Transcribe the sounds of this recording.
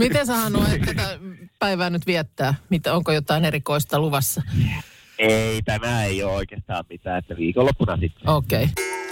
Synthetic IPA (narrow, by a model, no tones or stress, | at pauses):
mit̪esɑhɑnoːet̪ːæt̪æpæiʋæːnyt̪ʋiɛt̪ːæːmit̪æoŋkojot̪ɑinerikoist̪ɑluʋɑsːɑ | eit̪æmæeiooikeːst̪ɑ̰ːmmit̪æːet̪ːæʋiːkolːopːunɑsit̪ːe̥oːkei